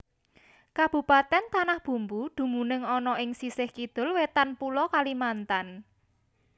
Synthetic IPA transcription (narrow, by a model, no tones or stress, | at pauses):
kab̥ṳpat̪ɛnt̪anahb̥ṳmbud̪̥ṳmunɪŋɔnɔʔɪŋsisɪhkid̪̥ʊ̤lwet̪anpulɔkalimant̪an